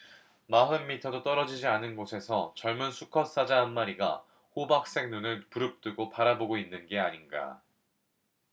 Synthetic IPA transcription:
maɦɯnmitʰʌdot͈ʌɾʌd͡ʑid͡ʑianɯnɡosʰe̞sʰʌt͡ɕʌɭmɯnsʰukʰʌs͈ad͡ʑaɦanmaɾiɡa̰ | hobak̚s͈e̞ŋnunɯɭpuɾɯp̚t͈ɯɡopaɾaboɡoinːɯnɡe̞aɲinɡa̰

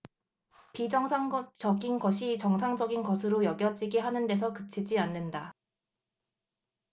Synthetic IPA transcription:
pid͡ʑʌŋsʰaŋt͡ɕʌɡinɡʌɕʰit͡ɕʌŋsʰaŋd͡ʑʌɡinɡʌsʰɯɾojʌɡjʌd͡ʑiɡiɦanɯnde̞s̬ʰʌkɯt͡ɕʰid͡ʑianːɯnda

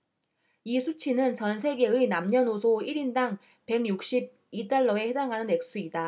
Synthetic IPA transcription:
isʰut͡ɕʰinɯnt͡ɕʌnsʰe̞ɡe̞ɯnamɲʌnosʰoiɾindaŋ | pe̞ŋjuk̚ɕ͈ib̚ | it͈aɭːʌe̞hedaŋɦanɯnːe̞k̚s͈uida

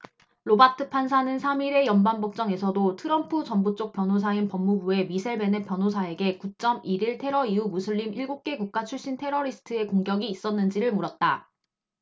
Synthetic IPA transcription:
ɾobatʰɯpʰans̬ʰanɯnsʰamiɾe̞jʌnbanbok̚t͡ɕ͈ʌŋe̞sʰʌdotʰɯɾʌmpʰut͡ɕʌmbut͡ɕ͈ok̚p͈jʌnɦosʰainpʌmːubue̞misʰeɭbe̞nep͈jʌnɦosʰae̞ɡe̞kut͡ɕ͈ʌmiɾiɭtʰe̞ɾʌiumusʰɯʎːimiɭɡuk̚k͈e̞ɡuk̚k͈at͡ɕʰuɭɕ͈intʰe̞ɾʌɾisʰɯ̥tʰɯe̞koŋɡjʌɡiːs͈ʌnːɯnd͡ʑiɾɯɭmoɾʌt̚t͈a

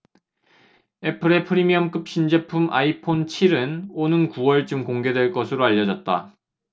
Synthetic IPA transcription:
e̞pʰɯɾe̞pʰɯɾimiʌmk͈ɯp̚ɕ͈ind͡ʑepʰumʔa̰ipʰont͡ɕʰiɾɯnonɯnkuwʌɭt͡ɕɯmkoŋɡe̞dwe̞ɭk͈ʌsʰɯɾoaʎːʌd͡ʑʌt̚t͈a̰

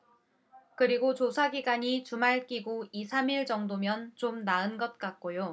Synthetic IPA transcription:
kɯɾiɡot͡ɕosʰaɡiɡaɲitumaɭk͈iɡoisʰamiɭd͡ʑʌŋdomjʌnt͡ɕomnaɯnɡʌt̚k͈ak̚k͈ojo

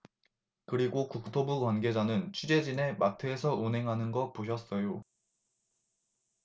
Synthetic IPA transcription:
kɯɾiɡokuk̚tʰobuɡwanɡe̞d͡ʑanɯnt͡ɕʰid͡ʑe̞d͡ʑine̞matʰɯːsʰʌʔunɦe̞ŋɦanɯnɡʌpoɕ̬ʰʌs͈ʌjo

